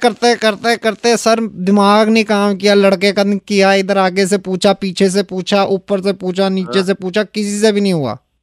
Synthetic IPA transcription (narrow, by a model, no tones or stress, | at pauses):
kəɾt̪eɦɛ̃kəɾt̪eɛ̃kəɾt̪eɛ̃sɐɾd̪ɪmaːɡneĩkaːmkijaːləɽkekakijaɪd̪əɾaːɡes̬epuːt͡ʃʰapiːt͡ʃʰes̬epuːt͡ʃʰaʔʊpːəɾsepuːt͡ʃʰaniːt͡ʃes̬epuːt͡ʃʰakɪsisebʱinəĩɦʊa̰ː